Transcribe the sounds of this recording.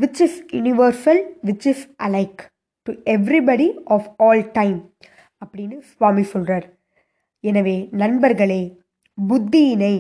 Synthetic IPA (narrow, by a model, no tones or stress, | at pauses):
ʋɪt͡ʃɪsjʊnɪʋɐːɾsɐlʋɪt͡ʃɪsʔɐlɐɪk | ʈuɛʋɾibɐɽiɔːfɔːlʈɐ̃ɪ̃m | ɐpːɐɽɪnːɯsʋaːmisɔlraːɾ | ɛnɐʋeːnɐnbɐɾɣɐɭeː | bʊd̪ːijɪnɐɪ